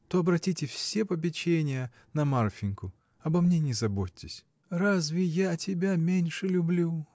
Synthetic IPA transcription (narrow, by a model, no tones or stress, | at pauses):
t̪oɐbɾɐtʲitʲɪfsʲepɐp̬ʲɪt͡ɕenʲɪjə | nɐmarfʲɪnʲkʊ | ɐbɐmnʲenʲɪzɐbotʲːɪsʲ | razvʲɪjatʲɪbʲamʲenʲʂɨlʲʊblʲu